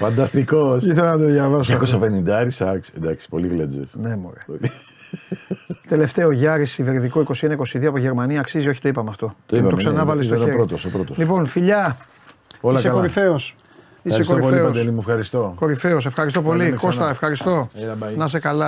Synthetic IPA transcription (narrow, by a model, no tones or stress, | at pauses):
fɐnd̪ɐst̪ikosiθelɐnɐd̪oðjɐvɐsoɐkosɐpenind̪ɐɾisɐksend̪ɐksi̥poliɣled͡zḛsnemo̰ɾeoli | t̪e̞le̞ft̪e̞oʝɐɾisiveɾðikoiko̞sienɐiko̞siðioɐpoʝe̞ɾmɐniɐːksizio̞çi̥t̪o̞ipɐmeɐft̪o̞t̪opɐt̪oksɐnɐvɐlis̬toeɾɾot̪osopɾot̪oslipo̞nfiʎɐ | olɐkseɐloɾife̞os | iɐsɾeskooɾipolieopɐsd̪elimuefxɐɾist̪o̞ko̞ɾife̞os̬efxɐɾis̬t̪opo̞liko̞st̪ɐefxɐɾist̪o̞ɐnɐs̬ekɐlɐ